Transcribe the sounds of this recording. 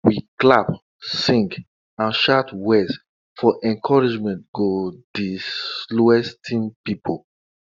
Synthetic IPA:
wiklap | sĩŋɡ | ãnʃatwɛz | fɔʔɛ̃nkʰɔɹid͡ʒmɛ̃ntɡ̥odisluɛstʰĩnpipʰo

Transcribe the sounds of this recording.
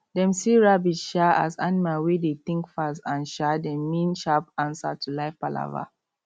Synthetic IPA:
dɛ̃msiɹabid͡ʒʃaa̰zanimalwedet̪ɪ̃ŋkfasãnʃadɛ̃mːĩnʃapãnsa̰tʰulaɪfpala̰va̰

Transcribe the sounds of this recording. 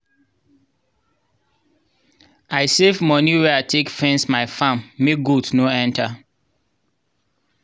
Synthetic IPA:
aɪsevmɔniwɛaɪtʰekfɛ̃nsmaɪfãmːeɡudnoɛ̃ntʰa

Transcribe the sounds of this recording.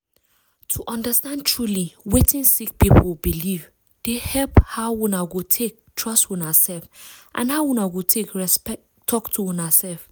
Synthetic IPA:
tʰuʔɔ̃ndəstãndtʰɹuliwetĩnsik̚pipʰobiliv | d̥ehɛlphaʊwũnaɡotʰek̚tʰɹɔstwũnasɛlfʔã̰nhaʊwũnaɡotʰekɹɛspɛ | tʰɔktʰuwũnasɛlf

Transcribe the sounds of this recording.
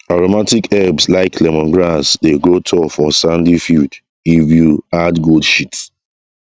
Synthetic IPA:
aɹomatikɛbslaɪkʰlɛmɔ̃nɡɹasdeɡɹotʰɔfɔsãndifild | ivjuadɡoldʃits

